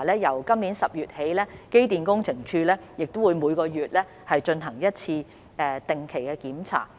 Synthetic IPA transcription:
lɛː˥jɐ˨˩wkɐ˥mniː˨˥nsɐ˨p̚jyː˨t̚he˨˥jlɛː˥ke˥jt̪̬iː˨nkʊ˥ŋt͡sʰɪ˨˩ŋt͡ʃʰyː˧lɛː˥jɪ˨k̚t̪o˥wuː˨˧jmuː˨˧jkɔː˧jyː˨t̚lɛː˥ | hɐ˨jt͡ʃɵ˧nɦɐ˨˩ŋjɐ˥t̚t͡sʰiː˧ | ɛː˧t̪ɪ˨˩ŋkʰe˨˩jkɛ˧kiː˨˥mt͡sʰa̰ː˨˩

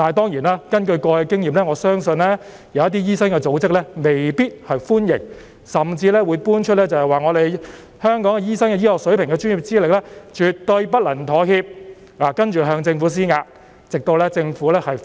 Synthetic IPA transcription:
aː˨˩t̪ɔː˥ŋjiː˨˩naː˥kɐ˥nkɵ˧ɥkɔː˧kɛ˧kɪ˥ŋjiː˨mlɛː˥ŋɔː˨˧sœː˥ŋsɵ˧nlɛ˥ | jɐ˨˧wjɐ˥t̪i˥jiː˥sɐ˥nkɛː˧t͡so˨˥wt͡sɪ˥k̚lɛ˥me˨jpiː˥t̚hɐ˨jfuː˥njɪ̰˨˩ŋ | sɐ˨mt͡siː˧lɛː˥wuː˨˧jpuː˥nt͡ʃʰt̚lɛː˥t͡sɐ˨whɐ˨jwaː˨ŋɔː˨˧ɾe˨j | hœː˥ŋkɔː˨˥ŋkɛ˧jiː˥sɐ˥ŋkɛ˧jiː˥lɔː˨k̚sɵ˨˥ɥpʰɪ˨˩ŋkɛː˧t͡ʃy˥ni˨˩p̚t͡siː˥lɪ˨k̚lɛ˥t͡ʃyː˨t̚t̪ɵ˧ɥpɐ˥t̚lɐ˨˩nt̪ʰɔː˨˥hiː˧p̚ | laː˨˩kɐ˥nt͡ʃyː˨˩ɦœː˧ŋt͡sɪ˧ŋfuː˨˥s̬iː˥ŋaː˧k̚ | t͡sɪ˨k̚t̪o˧wlɛː˥t͡sɪ˧ŋfuː˨˥lɛː˥hɐ˨j

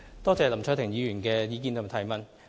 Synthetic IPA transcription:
t̪ɔː˥t͡sɛː˨˧lɐ˨˩mt͡sʰːt̪ʰɪ˨˩ŋjiː˨˧jyː˨˩nkɛː˧jiː˨˧kiː˧nɐ˨m˨˩t̪ʰɐ˨˩jmɐ˨˩n

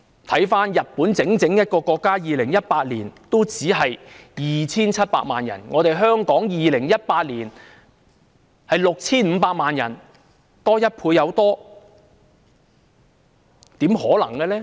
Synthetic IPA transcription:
t̪ʰɐ˨˥jfaː˥njɐ˨t̚puː˨˥nt͡sɪ˨˥ŋt͡sɪ˨˥ŋjɐ˥t̚kɔː˧kɔː˧kːaː˥jiː˨lɪ˨˩ŋjɐ˥t̚paː˧t̚liː˨˩nt̪o˥wt͡siː˨˥ɦɐ˨jjiː˨t͡sʰiː˥nt͡sʰɐ˥t̚pa̰ː˧k̚maː˨njɐ̰˨˩nŋɔ̰ː˨˧t̪e˨jɦœː˥ŋkɔː˨˥ŋjiː˨lɪ˨˩ŋjɐ˥t̚paː˧t̚liː˨˩n | hɐ˨jlʊ˨k̚t͡sʰiː˥nm̩ː˨˧paː˧k̚maː˨njɐ˨˩n | t̪ɔː˥jɐ˥t̚pʰuː˧jɐ˨˧wt̪ɔː˥ | t̪iː˨˥mɦɔː˨˥lɐ̰˨˩ŋkɛ˧lɛː˥

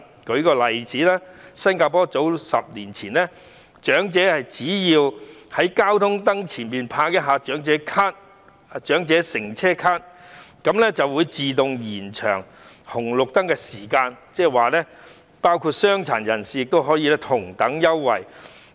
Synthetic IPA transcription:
kɵ˨˥ɥkɔː˧lɐ˨jt͡siː˨˥laː˥sɐ˥nkaː˧pɔː˥t͡so˨˥wsɐ̰˨p̚niː˨˩nt͡sʰiː˨˩nlɛː˥ | t͡ʃœː˨˥ŋt͡sɛː˨˥hɐ˨jt͡siː˨˥jiː˧whɐ˨˥jkaː˥wt̪ʰʊ˥ŋt̪ɐ˥ŋt͡sʰiː˨˩npiː˨npʰaː˧k̚jɐ˥ɦaː˨˧t͡ʃœː˨˥ŋt͡sɛː˨˥kʰaː˥t̚ | t͡ʃœː˨˥ŋt͡sɛː˨˥sɪ˨˩ŋt͡sʰɛː˥kʰaː˥t̚kɐ˨˥mlɛ˥t͡sɐ˨wːuː˨˧jt͡siː˨t̪ʊ˨ŋjiː˨˩nt͡ʃʰœ̰ː˨˩ŋ | hʊ˨˩ŋlʊ˨k̚t̪ɐ˥ŋkɛ˧siː˨˩kaː˧nt͡sɛː˥waː˨lɛ˥ | paː˥wkʰuː˧t̚sœː˥ŋt͡sʰa̰ː˨˩njɐ˨˩nsiː˨jɪ˨k̚t̪o˥wɦɔː˨˥jiː˧lɛː˥t̪ʰʊ˨˩ŋt̪ɐ˨˥ŋjɐ˥wːɐ̰˨˩j

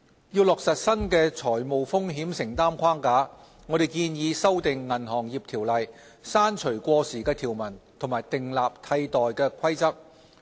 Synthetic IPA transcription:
jiː˧wlɔː˨k̚sɐ˨t̚sɐ˥nkɛː˧t͡ʃʰɔː˨˩jmo˨wfʊ˥ŋɦiː˨˥msɪ˨˩ŋt̪aː˥mkʰwaː˥ŋkaː˨˥ | ŋɔː˨˧ɾe˨jkiː˧njiː˨˧sɐ˥wt̪ɪ˨ŋːɐ˨˩nɦɔː˨˩ŋjiː˨p̚t̪ʰiː˨˩wlɐ˨j | saː˥nt͡ʃʰɵ˨˩ɥkʷɔː˧siː˨˩kɛː˧t̪ʰiː˨˩wmɐ˨˩nt̪ʰʊ˨˩ŋmaː˨˩jt̪ɪ˨ŋlaː˨p̚t̪ʰɐ˧jt̪ɔː˨jkɛː˧kʷʰɐ˥jt͡sɐ˥k̚

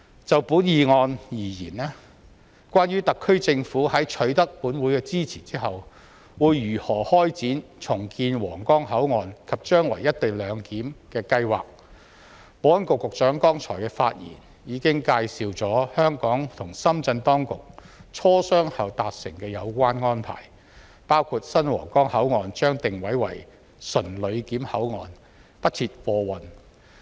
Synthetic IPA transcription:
t͡sɐ˨wpuː˨˥njiː˨˧ŋɔː˧njiː˨˩jiː˨˩nɛː˥ | kʷaː˥nɥyː˥t̪ɐ˨kʰːɵ˥ɥt͡sɪ˧ŋfuː˨˥hɐ˨˥jt͡ʃʰɵ˨˥ɥt̪ɐ˥k̚puː˨˥nwuː˨˥jkɛː˧t͡siː˥t͡sʰiː˨˩t͡siː˥ɦɐ˨w | wuː˨˧jːyː˨˩hɔː˨˩hɔː˥jt͡siː˨˥nt͡sʰʊ˨˩ŋkiː˧nwɔː˨˩ŋkɔː˥ŋɦɐ˨˥wŋɔː˨nkʰɐ˨p̚t͡ʃœː˥ŋwɐ̰˨˩jɐ˥t̚t̪e˨jlœː˨˧ŋkiː˨˥mkɛː˧kɐ˧jwa̰ː˨k̚ | poɔː˨˥ɐ˥nkʊ˨kːʊ˨k̚sœː˨˥ŋkɔː˥ŋt͡ʃʰɔ̰ː˨˩jkɛː˧fa̰ː˧t̚jḭː˨˩n | jiː˨˧kɪ˥ŋkaː˧jsiː˨wt͡sɔː˨˥hœː˥ŋkɔː˨˥ŋt̪ʰʊ˨˩ŋsɐ˥mt͡sɐ˧nt̪ɔː˥ŋkʊ˨k̚t͡ʃʰɔː˥sœː˥ŋhɐ˨wt̪aː˨t̚sɪ˨˩ŋkɛː˧jɐ˨˧wkʷaː˥nŋɔː˥npʰa̰ː˨˩j | paː˥wkʰuː˧t̚sɐ˥nwɔ̰ː˨˩ŋkɔː˥ŋhɐ˨˥wŋɔː˨˧nt͡ʃœː˥ŋt̪ɪ˨ŋwɐ˨˥jwɐ̰˨˩j | sɵ˨˩nlɵ˨˧ɥkiː˨˥mhɐ˨˥wŋɔː˨n | pɐ˥t̚t͡sʰiː˧t̚fɔː˧wɐ˨n

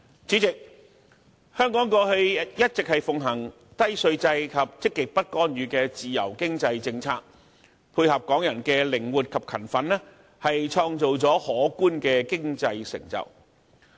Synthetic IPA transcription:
t͡si˨˥t͡sɪ˨k̚ | hœː˥ŋkɔː˨˥ŋkɔː˧hɵ˧jɐ˥t̚t͡sɪ˨k̚hɐ˨jfʊ˨ŋɦɐ˨˩ŋ | t̪ɐ˥jsɵ˧ɥt͡sɐ˧jkʰɐ˨p̚t͡sɪ˥kːɪ˨k̚pɐ˥t̚kɔː˥nɥyː˨˧kɛː˧t͡siː˨˩jɐ̰˨˩wkɪ˥ŋt͡sɐ˧jt͡sɪ˧ŋt͡sʰa̰ː˧k̚ | pʰuː˧jhɐ˨p̚kɔː˨˥ŋjɐ˨˩nkɛː˧lɪ˨˩ŋwuː˨˩t̚kʰɐ˨p̚kʰɐ˨˩nfɐ˨˥nlɛː˥ | hɐ˨jt͡ʃʰɔː˧ŋt͡so˨wt͡sɔː˨˥hɔː˨˥kuː˥nkɛː˧kɪ˥ŋt͡sɐ˧jsɪ̰˨˩ŋt͡sɐ̰˨˩w

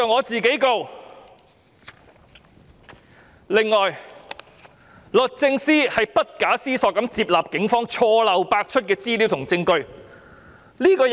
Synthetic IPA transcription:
ɐ˨wŋɔː˨˧t͡siː˨ke˨˥jko˧w | lɪ˨ŋːɔː˨˩j | lɵ˨t̚t͡sɪ˧ŋsiː˥hɐ˨jpɐ˥t̚kaː˨˥siː˥sɔː˧kːɐ˨˥mt͡siː˧p̚laː˨p̚kɪ˨˥ŋfɔː˥ŋt͡ʃʰɔː˧lɐ˨wpaː˧k̚t͡ʃʰɵ˥t̚kɛː˧t͡siː˥li˨˥wt̪ʰʊ˨˩ŋt͡sɪ˧ŋkɵ˧ɥ | liː˥kɔː˧

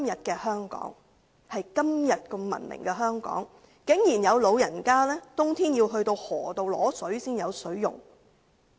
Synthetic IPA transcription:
mjɐ˨t̚kɛː˧hœː˥ŋkɔ̰ː˨˥ŋ | hɐ˨jkɐ˥mjɐ˨t̚kɔ˧mɐ̰˨˩nmɪ̰˨˩ŋkɛː˧ɦœː˥ŋkɔ̰ː˨˥ŋ | kɪ˨˥ŋjiː˨˩njɐ˨˧wlo˨˧wjɐ˨˩nkaː˥lɛː˥t̪ʊ˥ŋt̪ʰiː˥njiː˧wɦɵ˧ɥt̪o˧whɔː˨˩t̪o˨˧wlɔː˨˥sɵ˨˥ɥsiː˥njɐ˨˧wsɵ˨˥ɥjʊ̰˨˩ŋ

